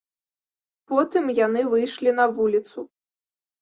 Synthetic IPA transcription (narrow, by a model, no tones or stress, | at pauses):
pɔt̪ɨmjanɨvɨjʂlʲinɐvulʲit̪su